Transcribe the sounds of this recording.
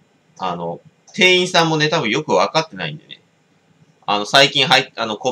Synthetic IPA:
a̰no̞ | t̪ẽ̞ːĩɰ̃sãmːo̞ne̞t̪abɯ̟̃jo̞kɯ̟βakat̪ːe̞na̰ḭ̃nd̪e̞̰ne̞̰ | a̰no̞saikʲĩɰ̃ɦaiano̞ko̞

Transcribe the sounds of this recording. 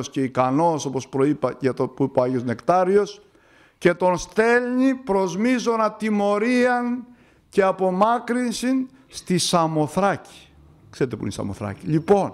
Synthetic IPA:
sce̞ikɐno̞so̞po̞spɾo̞ipɐɐt̪opuipoɐʝo̞zne̞kt̪ɐɾio̞s | ce̞t̪o̞nst̪e̞lɲipɾo̞zmizo̞nɐt̪imo̞ɾiɐn | ce̞ɐpo̞mɐkɾinsin | st̪isɐmo̞θɾɐci̥ | kseɾet̪e̞pun̰isɐ̰mo̞θɾɐ̰ciʎipo̞n

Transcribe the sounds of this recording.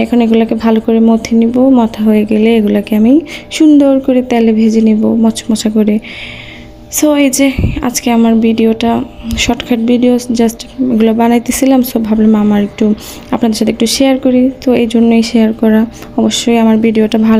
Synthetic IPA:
ɛkʰonoeɡulakebʱalokoɾemot̪ʰinibomɔt̪ʰaɦoeɡeleeɡulakeamiʃund̪oɾkoɾet̪aɦlebʱed͡ʑenibomɔt͡ɕʰmɔt͡ɕʰakoɾe | soed͡ʑea̰d͡ʑkeamaɾbʱiɖioʈaʃɔʈkʰaʈbʱiɖiosd͡ʑasʈeɡulabanajt̪esʰilamsobʱablemamaɾek̚ʈu | apnad̪eɾʃat̪ʰekʈuʃeaɾkoɾit̪oejd͡ʑʱoɾnoejʃeaɾkɔɾa | ɔboʃːojamaɾbʱiɖioʈabʱal

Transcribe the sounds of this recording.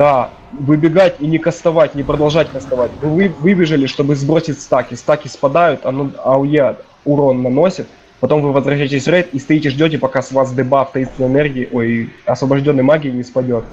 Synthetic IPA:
d̪̥a | vɨbʲɪɡatʲinʲɪkəst̪ɐvatʲnʲɪpɾəd̪ɐlˠʐatʲkəst̪ɐvatʲvɨvɨvɨbʲɪʐɨlʲɪʂt̪o̞bɨzbɾo̞sʲɪtʲst̪akʲɪst̪akʲɪspɐd̪ajʊt̪ɐnoɐʊje | ʊɾo̞nːɐno̞sʲɪt̪̚ | pɐt̪o̞mvɨvəzvɾɐɕ̬æjtʲɪsʲrɛt̪ist̪ɐjitʲɪʐdʲo̞tʲɪpɐkasvazd̪ɨbaft̪ɐinst̪ʲɪnəɪnɛrɡʲɪɪʔojɐsvɐbɐʐdʲo̞nːɨjmaɡʲɪɪnʲɪspɐdʲo̞t̪̚

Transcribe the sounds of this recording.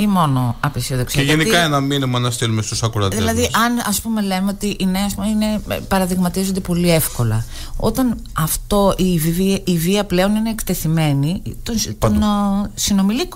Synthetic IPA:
imo̞no̞ɐpesioðokseʝenikɐenɐminimɐnɐst̪elumest̪usɐkuɾɐtðielɐðiɐnɐspume̞le̞meo̞t̪iʔineɐspumeine̞pɐɾɐðiɣmɐt̪izo̞nd̪epo̞lie̞fko̞lɐ̰ | o̞̰t̪ɐn | ɐft̪o̞iviviiviɐple̞o̞nine̞ːkt̪e̞θime̞nit̪ot̪nsino̞milik

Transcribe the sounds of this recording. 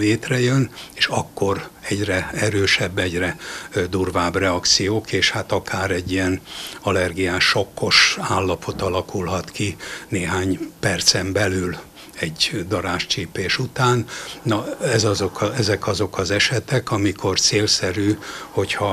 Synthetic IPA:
leːt̪rɛjøneːʃɒkːo̞rɛɟrɛɛɾøːʃɛbːɛɟrɛd̪urvaːbrɛɒkt̪sijoːkeːʃhat̪ɒkʰaːɾɛɟːiɛnɒlɛrɡijaːʃokːo̞ʃaːlːɒpʰo̞t̪ɒlɒkulɦɒt̪kineːɦaːɲpɛrt̪sɛmbɛlyl | ɛɟd̪ɒɾaːʃt͡ʃiːpeːʃut̪aːnnɒɛzɒzokʰɒɛzɛkɒzo̞kɒzɛʃɛt̪ɛkɒmikʰo̞rt̪seːlsɛɾyːho̞chɒ

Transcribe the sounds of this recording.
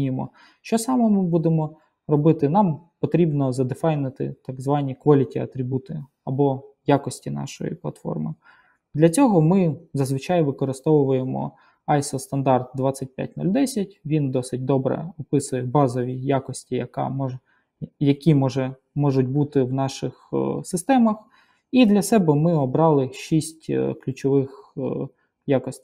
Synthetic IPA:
emɔ̰ | ʃt͡ʃɔsɑmɛmɪbud̪emɔ | rɔbɪt̪ɪnɑmpɔt̪ɾʲibnɔzɐd̪ɪfɑjnɪt̪ɪ̰t̪ɐɡzʋɑnʲikʋɐlʲitʲiɐ̰t̪ɾʲibut̪ɪ | ɐbɔjakɔsʲtʲinɑ̰ʃɔ̰jḭplˠɐ̰t̪fɔ̰rmɪ̰ | d̪lʲɐt͡sʲɔɦɔmɪzɐzʋɨt͡ʃɑjʋɪkɔɾɪst̪ɔʋʊʋʊjemɔ̰ | ɑjsɔst̪ɐnd̪ɑrt̪̚d̪ʋɑt͡sʲːɐt̚ʲpʲja̰t̚ʲnɔ̰lʲd̪ɛsʲɐtʲʋʲind̪ɔsɪt̚ʲd̪ɔbɾɛ̰ɔpɪsʊjɛbɑzɔʋʲijakɔsʲtʲijɐkɑ̰mɔ | jɐkʲimɔʒɛ | mɔʒʊt̚ʲbut̪ɪwnɑʃɪxsɪst̪ɛmɐx | id̪lʲɐsɛbɛmɪɔbɾɑlˠɪʃisʲtʲklʲʊt͡ʃɔʋɪx | jakɔsʲtʲi

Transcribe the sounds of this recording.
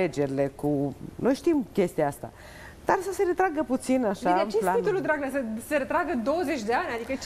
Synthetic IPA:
e̞d͡ʒe̞ɾile̞kuno̞jʃt̪imkʲe̞st̪ijaast̪a̰ | d̪̥arsəse̞ɾe̞t̪ɾaɡəput̪sinaʃat͡ʃelat̪ulud̪ɾaɡnesəseɾet̪ɾaɡəd̪o̞wəze̞t͡ʃʲd̪e̞anʲad̪ikət͡ʃ

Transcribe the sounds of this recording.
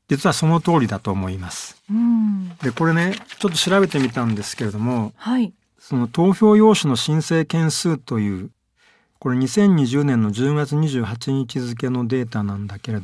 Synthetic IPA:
d͡ʑit͡sɨβaso̞no̞t̪o̞ːɾʲid̪at̪o̞ːmo̞imasɨ̥ | d̪e̞ko̞ɾe̞ne̞t͡ɕo̞t̪̬ːo̞ɕiɾabe̞t̪e̞mʲit̪ãnd̪e̞sɨ̥ke̞ɾe̞d̪o̞mo̞hai | so̞no̞t̪o̞ːçʲo̞ːjo̞ːɕono̞ɕĩɰ̃se̞ːkẽ̞ɰ̃sɨːt̪o̞jɯ̟ː | ko̞ɾe̞ɲ̟isẽ̞ɲ̟ːiʑɨːnẽnːo̞ʑɨːɡat͡sɨɲ̟iʑɨːɦat͡ɕiɲ̟it͡ɕizɨk̬e̞no̞d̪e̞ːt̪anãnd̪ake̞ɾe̞d̪o

